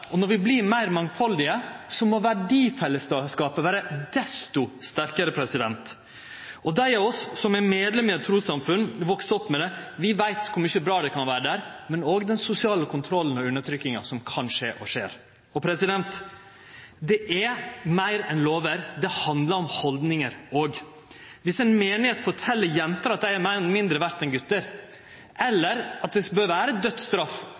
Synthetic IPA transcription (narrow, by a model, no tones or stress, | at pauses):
ɔnɔɾʋɪbliɾmæɪɾmɑŋfɑld̪ɪəsɔmoʋæɖiːfɛlːəsɑskɑːpəʋæːɾəd̪ɛst̪ʊst̪æɾkəɾəpʰɾɛsɪd̪ɛnt̪ | ɔd̪æɪɛɔsːɔmɛmeːd̪lɛmɪət̪ʰɾuːsɑmfʉnʋɔkst̪ɔpːmɛd̪ɛʋɪʋæɪt̪kʰʊmɪçəbɾɑːd̪ɛkʰɑnʋæːɾəɖ̪æɾmɛnoːɡd̪ɛnsʊsɪɑːləkʰʊnt̪ʰɾɔlːənɔʉnːəʈ̪ʰɾʏkːɪŋɑ̰sɔmkʰɑnʂeːʔɔʂeːɾ | ɔpʰɾɛsɪd̪ɛnt̪ | d̪ɛʔɛmæɪɾɛnloːʋəɾd̪ɛhɑnd̪ləɾɔmhɔld̪nɪŋəɾoːɡ | ʋɪsɛnmeːnɪheːt̪fɔʈʰɛlːəɾjɛnt̪ɑɾɑt̪̚d̪æɪæɾmæɪɾɛnmɪnd̪ɾəʋæɾt̪ɛnɡʉt̪ːəɾ | ʔɛlːəɾɑt̪̚d̪ɛbøːɾʋæːɾəd̪œt̪st̪ɾɑfː